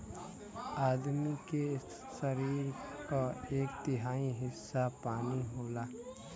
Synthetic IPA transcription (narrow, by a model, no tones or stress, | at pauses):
aːd̪mike | səɾiːɾkaeːk̚t̪ɪɦaːiɦɪsːapaːniɦoːlaː